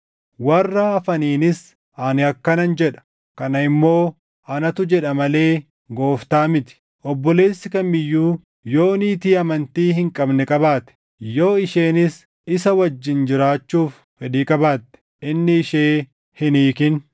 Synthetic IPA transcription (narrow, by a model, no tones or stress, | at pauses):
wɐrːaɐfɐniːnɪs | aːnɪɐkːɐnɐnd͡ʒɛᶑɐ̥ | kɐnɐɪmːo̞ː | ʔɐnɐt̪ʊd͡ʒɛᶑɐmɐle̞ː | ɡo̞ːft̪aːmɪt̪ɪ̥ | ʔɔbːɔle̞ːsːɪkɐnmɪjːuː | jo̞ːniːt̪iːɐmɐnt̪iːhɪŋkʼɐbnɛkʼɐbaːt̪ɛ̥ | jo̞ːɪʃeːnɪs | ɪsɐwɐd͡ʒːɪnd͡ʒɪɾaːt͡ʃːuːfːɛᶑiːkʼɐbaːt̪ːɛ̥ | ʔɪnːɪːʃe̞ː | hɪniːkɪn